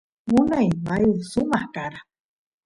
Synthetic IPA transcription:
munajmajusumahkaɾa

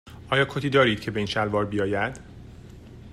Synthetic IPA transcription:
ɒːjɒːkʰot̪ʰiːd̪ɒːɾiːd̪̥cʰe̞be̞iːnʃælvɒːɾbijɒːjæd̪̥

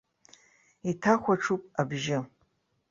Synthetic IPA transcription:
itʰaχʷaʈ͡ʂʰupʼabʒɪ

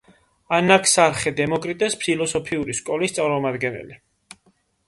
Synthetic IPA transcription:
anakʰsaɾχɛd̪ɛmɔkʼɾit̪ʼɛspʰilˠɔsɔpʰiuɾiskʼɔlist̪sʼaɾmɔmad̪ɡɛnɛ̰li

